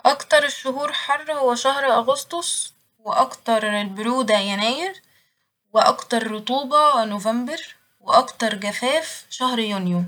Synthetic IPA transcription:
ʔɑkt̪ɑɾˤeʃːʊɦuːɾħɑrˤːhowæʃæhɾʔɑɣost̪ˤosˤ | wɪʔɑkt̪ɑɾˤelbʊɾuːd̪æjænæːjɪɾ | wɪʔɑkt̪ɑɾˤːot̪ˤuːbɑnovæmbeɾ | wɪʔɑkt̪ɑɾˤɡæfæːfʃæhɾjunjo

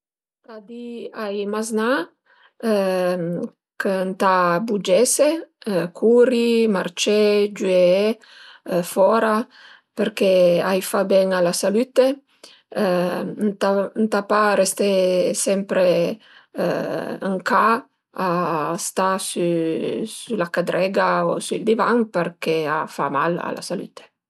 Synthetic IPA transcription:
t̪ad̪iajmazna | kənt̪abud͡ʒɛsekʰuɾimaɾt͡ʃed͡ʒue | fɔɾa | peɾkeajfabɛŋalasalyt̪e | nt̪ant̪apaɾɛst̪esɛmpɾe | aŋka | ast̪asusulakad̪ɾɛɡaosuild̪ivaŋpeɾkea̰fa̰ma̰la̰la̰saly̰t̪e̥

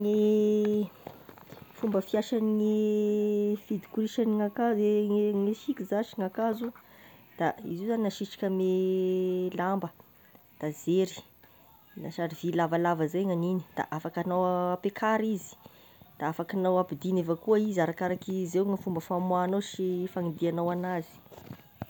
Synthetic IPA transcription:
ŋe | fumbəfiaʃaniŋe | fid̪i̥kuɾiʃaniŋakazeeŋefikizaʃiŋakazud̪̥aḭzizaninaʃiʈ͡ʂḁkʲəme | lambə | d̪̥azeɾi̥ | naʃaɾivilavalavəzajŋanini̥d̪̥a̰ʔafakanawapekʰaɾizi̥ | d̪̥aafakanawapid̪inevakuaizaɾakaɾakizewŋafumbəfamwanawʃifaŋid̪ianawanazi̥

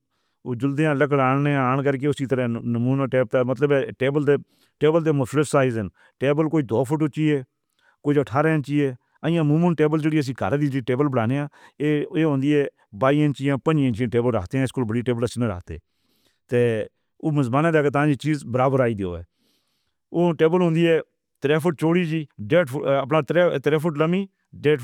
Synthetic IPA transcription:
oːd͡ʒʊld̪eːãːləkəɽaːɳneːaːɳkəɾk̬eːʊsiːt̪əɾɛ̃ːnəmuːnaːʈeːp̚t̪aːmət̪ləbɛːʈeːbəlt̪eː | ʈeːbəlt̪eːmʊsləpsaːizən | ʈeːbəlkoːiːd̪oːpʰʊʈ̬ʊt͡ʃːiːeː | koːiəʈʰaːɾaːɪnt͡ʃiːeː | ə̃ãːmuːmənʈeːbəld͡ʒeːɽiːəs̬ĩːɡa̰ːɾd̪iːd͡ʒiʈeːbəlbəɽaːneːãːeːeːɦõːnd̪iːɛː | baːiːənt͡ʃijãːpəd͡ʒiə̃nt͡ʃiãːʈeːbəlɾə̰kʰt̪eːãːɪskolbəɽiːʈeːbələsnə̃ːɾə̰ːkʰt̪ḛː | t̪eː | oːməzmaːnãːd̪eaːɡeːt̪ãːd͡ʒiːt͡ʃiːzbəɾaːbəɾaːiːd̪eo̰ːɛ̰ː | oːʈeːbəlɦõːnd̪iːɛː | t̪ɾɛːpʰʊʈ̚t͡ʃoːɽiːd͡ʒiːɖeːʈəpnaːt̪ɾt̪ɾɛːpʰʊʈ̬ləmiː | ɖeːʈ

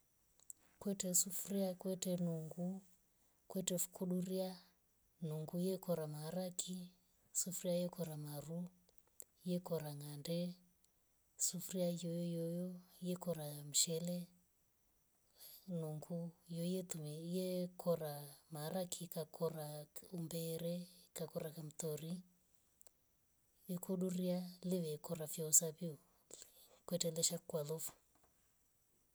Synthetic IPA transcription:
kwɛtɛsufuriakwɛtɛnuŋɡu | kwɛtɛfu̥kʰuɗuɾia | nuŋɡujɛkɔɾamaɾakʰi | sufuɾiajɛkɔɾamaɾu | jɛkɔɾaŋandɛ | sufuɾiajɔjɔjɔjɔjɛkɔɾam̩ʃɛlɛ | nuŋɡujɔijɛt̪umɛjɛkʰɔɾamaɾakʰikakʰɔɾaumbɛɾɛkakɔɾakam̩t̪ɔɾi | ɛkʰɔɗuɾialɪʋɛkɔɾafjɔsaβiu | kwɛtɛlɛʃakwalɔfu̥

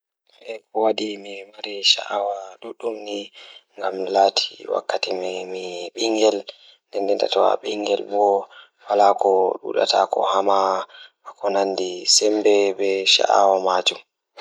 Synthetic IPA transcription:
ɛkɔwadimimaɾiʃa̰ʔawaɗuɗːumniŋɡamlaːtʰiwa̰kːatimmiɓiŋɡɛl | ndɛndɛnda̰tɔwa̰ɓiŋɡɛlbɔ | walakɔɗṵɗa̰tʰakɔ̰hama | akɔnanːdisɛmbɛbɛʃa̰ʔa̰wamad͡ʒum

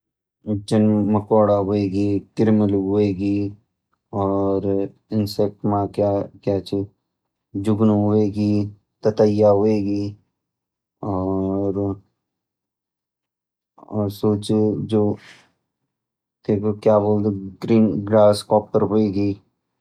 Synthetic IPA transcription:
d͡ʒənməkɔːɽaɦoeːɡiːkɪɾmɪlɦʊeːɡi | ɔːɾ | ɪnsek̚ʈmakakjaːt͡ʃʰi | d͡ʒʊɡnɦʊeːɡiː | t̪ət̪əjaɦoːeːɡiː | ɔːɾ | ɔːɾsoːt͡ʃd͡ʒoː | t̪eːkokjaːboːld̪eɡɾiːnɡɾaːskɔːpəɾɦoːeːɡiː

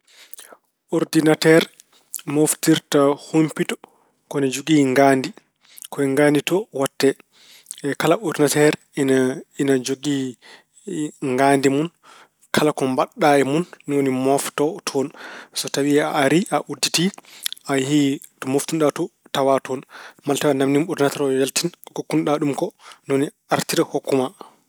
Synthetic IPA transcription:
ɔɾdinatɛɾ | moftiɾtahompitɔ̥ | kɔnad͡ʒoɡiːŋɡaːndi | kɔɛŋɡanditɔwatːɛ | ɛkalaʔoɾdinatɛɾ | ininad͡ʒoɡi | ŋɡaːndimun | kʰalakɔmbaɗːaɛmunːiwonimɔftɔtʰɔnsɔtawiaʔːɾiʔaʔuditiʔahi | tɔmoftunɗatɔtawatɔnmaltawandamnimuɾdinatɛɾɔjaltinkokːunɗaɗumkɔnwoni | aɾtiɾɛhokːuma

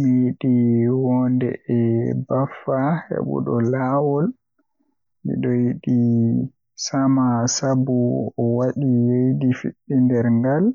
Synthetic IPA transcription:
mijiɗiwɔndɛ̰ʔɛbafːahḛɓṵɗɔ̰lawɔl | mḭɗɔjiɗi | samasabuɔwaɗijejdifḭɗːindɛɾŋɡal

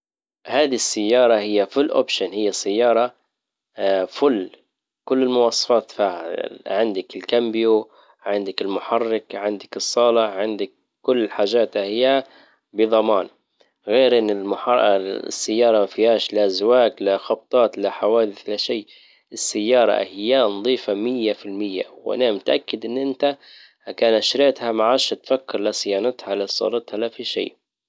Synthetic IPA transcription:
haːd̪isːajːɑːɾˤɑhɪjːafʊlʔo̰ːpʃanhɪjːasːajːɑːɾˤɑ | fʊlː | kʊlːɪlmʊwɑːsˤɑ̥fɑːt̪faːha̰ʕɪnd̪ɪkɪlkambɪju | ʕɪnd̪ɪkɪlmʊħɑrːɪkʕɪnd̪ɪkɨsˤːɑːlɪʕɪnd̪ɪk | kːʊlːħaːʒaːt̪ahɪjːa | bɪðˤɑmɑːn | ɣeːɾʔɪnːɪlmʊħɑ̰sːajːɑːɾˤɑmafihaːʃlaʔazwaːklaxɑb̚t̪ˤɑːt̪laħawaːd̪ɪθlaʃiː | ɪsːajːɑːɾˤɑ̰hɪjːanɑðˤiːfamɪjːafɪlmɪjːa̰wʔa̰namɪt̪ʔakːɪd̪ʔɪnːʔɪnt̪a | hakaːnʔaʃɾɪʕt̪hamaʕaːʃhat̪fakːɪɾlasɪjːɑːnɪt̪halasˤːɑ̰ːlɪt̪halafiʃḭːʔ

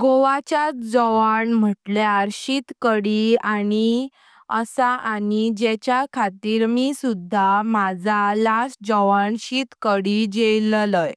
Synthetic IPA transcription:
ɡoʋat͡ɕjat͡sd͡zɔʋaɳm̤əʈljaɾɕit̪kəɽiani | əsaʔanid͡ʑɛt͡ɕjakʰat̪iːɾmisud̪ʱːamad͡zʱalasd͡zɔʋaɳɕit̪kəɽid͡ʑelləj

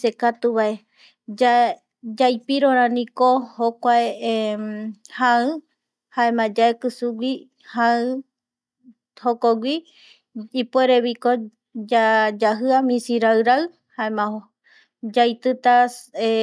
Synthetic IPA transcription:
sekat̪uβae | a | d͡ʒajpiɾõɾ̃ãnĩkohokʷae | hãɨ | haẽmãd͡ʒaekɨsuɡʷi | hãɨ̃ | hokoɡʷiː | pweɾeβiko | d͡ʒad͡ʒaɦɨamĩsiɾaɨɾaɨ | haẽmã | d͡ʒajt̪ɨt̪ae

